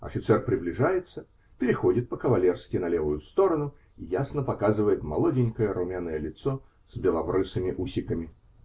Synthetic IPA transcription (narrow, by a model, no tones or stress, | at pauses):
ɐ̰fʲɪt̪sɛrpɾʲɪblʲɪʐajɪt̪sə | pʲɪɾʲɪxo̞dʲɪt̪̚pəkəvɐlʲe̞rskʲɪnɐlʲevʊjʊst̪o̞ɾənʊ | ijasnəpɐkazɨvəjɪt̪mɐ̰lˠo̞dʲɪnʲkəjəɾʊmʲanəjəlʲɪt̪so | z̥bʲɪlˠɐvrɨsɨmʲɪʔusʲɪkəmʲɪ